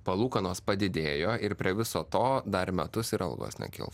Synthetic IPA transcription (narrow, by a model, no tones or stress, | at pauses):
pɐlˠuːkɐnoːspɐd̪ʲɪd̪ʲeːjoːɪɾpʲɾʲiɛʋʲɪsoːt̪oːd̪ɐɾmʲɛt̪ʊsɪɾɐ̰lˠɡo̰ːsnʲɛ̰kʲɪ̰lˠ